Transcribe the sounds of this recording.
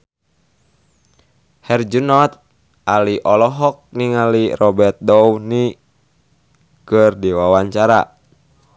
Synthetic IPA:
hɛrd͡ʒunɔt̪̚ | aliʔɔlɔɦɔk̚niŋalirɔbɛrt̪̚dɔwni | kɨrdiwawaɲt͡ʃaɾa̰

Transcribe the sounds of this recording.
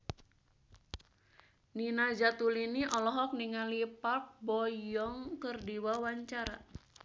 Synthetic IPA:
ninad͡ʒat̪uliniʔɔlɔɦɔk̚niŋalipark̚bɔjɔŋkərdiwawaɲt͡ʃaɾa̰

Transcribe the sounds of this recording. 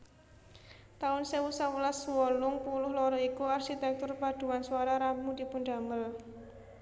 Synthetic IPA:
t̪aʊnsewusawəlaswɔlʊŋpulʊhlɔɾɔikuarʃit̪ɛk̚t̪ʊrpad̪̥ṳwanswaɾaɾamud̪̥i̤pʊnɖ̪̥a̤məl

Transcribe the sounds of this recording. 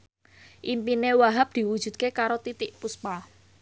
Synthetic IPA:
ʔimpinewaɦap̚d̪̥i̤wud̥ʒ̥ṳd̪̚kekaɾot̪it̪ɪʔpuspa

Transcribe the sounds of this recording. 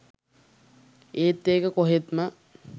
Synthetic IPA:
eːt̪ːeːkəkoɦet̪mə

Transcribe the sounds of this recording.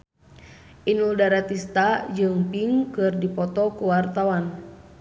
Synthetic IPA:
ʔinuldaɾat̪ist̪ad͡ʒɨŋpiŋkɨrdipɔt̪ɔkuwart̪awan

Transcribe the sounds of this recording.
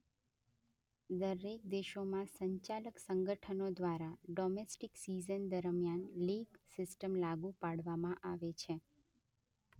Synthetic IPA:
d̪əɾek̚d̪eʃomãsəɲt͡ʃaləksəŋɡəʈʰənod̪ʋaɾaɖomesʈiksizənd̪əɾmjanliɡsɪsʈəmlaɡupaɽʋamãʔaʋet͡ʃʰe

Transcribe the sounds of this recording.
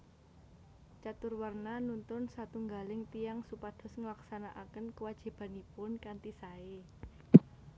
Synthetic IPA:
t͡ʃat̪ʊrwarnanunt̪ʊnsat̪uŋɡalɪŋt̪ijaŋsupad̪̥ɔ̤sŋəlaksanaʔakənkəwad̥ʒ̥i̤b̥a̤nipʊnkant̪isae

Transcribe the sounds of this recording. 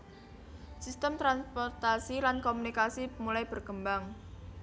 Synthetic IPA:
sist̪əmt̪ɾanspɔrt̪asilankomunikasimulajb̥ərkəmbaŋ

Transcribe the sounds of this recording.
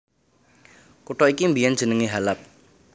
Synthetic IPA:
kuʈɔikimbijand͡ʒ̥ə̤nəŋiɦalap̚

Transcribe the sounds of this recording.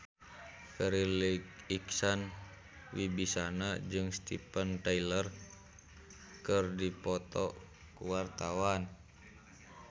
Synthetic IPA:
kəɾilikiksan | wibisanad͡ʒɨŋst̪ḭpənt̪ailər | kɨrdipɔt̪ɔ | kuwart̪awan

